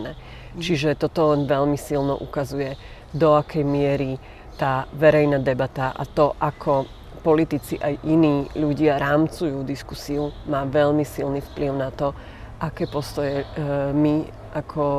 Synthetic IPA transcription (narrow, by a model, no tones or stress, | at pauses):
nɛ | t͡ʃiʒɛt̪ɔt̪ɔlɛnʋɛʎmisilnɔ̰ʔukazujɛ | d̪ɔakʰɛjmɪɛɾi | t̪aːʋɛɾɛjnad̪ɛbat̪aʔa̰t̪ɔʔakʰɔ | pɔlit̪it͡siʔajʔiniːʎuɟɪaɾaːmt͡sujuːd̪iskusiumaːʋɛʎmisilnifpliʊnat̪ɔ | ʔakɛːpɔst̪ɔjɛmi | ʔakʰɔ